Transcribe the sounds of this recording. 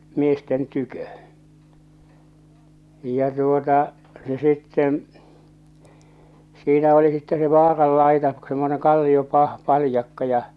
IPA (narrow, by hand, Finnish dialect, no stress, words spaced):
miesten tykø jˑɑ tuotɑ se sitːen̞ siːnæ oli sitːe se ʋɑːrɑlːɑitɑ semːoneŋ kɑlːiopɑh pɑlĭjɑkːɑ jɑ